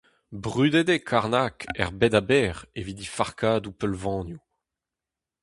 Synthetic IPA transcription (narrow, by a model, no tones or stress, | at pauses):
bʁyd̪ed̪ekʰaʁnakɛ̰ʁbɛd̪abɛːʁevid̪ifaʁkaːd̪upœlvɑ̃ːnju